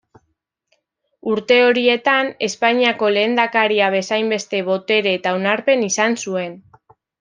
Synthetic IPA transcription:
uɾt̪e̞o̞ɾie̞t̪ane̞spaɲiako̞le̞ːnd̪akaɾiaβe̞sajmbe̞st̪e̞βo̞t̪e̞ɾeːt̪aonaɾpe̞nisansue̞n

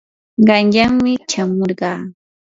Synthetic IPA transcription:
ɢɑnʎaŋmɪʃamoɾɢɑː

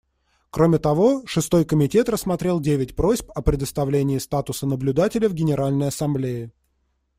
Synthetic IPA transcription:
kɾomʲɪt̪ɐvo̞ʂɨst̪o̞jkəmʲɪtʲe̞t̪rəsmɐt̪ɾʲe̞lˠdʲevʲɪtʲpɾo̞zʲpəpɾʲɪd̪əst̪ɐvlʲenʲɪɪst̪at̪ʊsənəblʲʊd̪atʲɪlʲɪvɡʲɪnʲɪɾʔalʲnəjɐsɐmblʲejɪ

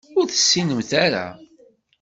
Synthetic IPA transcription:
ʊɾθə̥sːinəmθaɾa̰

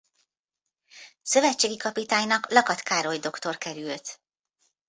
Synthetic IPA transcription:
sø̞vɛtt͡ʃːeːɡikɒpit̪aːɲnɒklɒkɒt̪kaːɾo̞jd̪o̞kt̪o̞rkɛɾylt̪

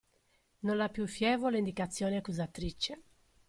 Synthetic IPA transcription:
nonlapːjufjɛːvolaind̪ikat̪sːjɔːneakːuzat̪ːɾit͡ʃːe

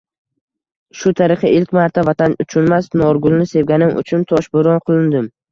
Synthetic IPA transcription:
ʃʊt̪ʰaɾɨqɨʔɪlkʲmaɾt̪ʰavat̪ʰanʊt͡ʃʰʊnmasnɒɾɡʊlˠnɪse̞vɡʲanɪmʔʊ̰t͡ʃʰʊnt̪ʰɒʃbʊɾɒnqʰɨlˠɪnd̪ɪm

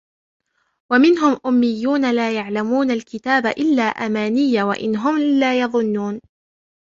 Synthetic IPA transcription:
wamɪnɦʊmʔʊmːɪjːuːnalaːjaʕlamuːnalkɪt̪aːba̰ʔɪlːaːʔamaːnɪjːawa̰ʔɪ̰nɦʊmlaːjɑðˤʊnːuːn

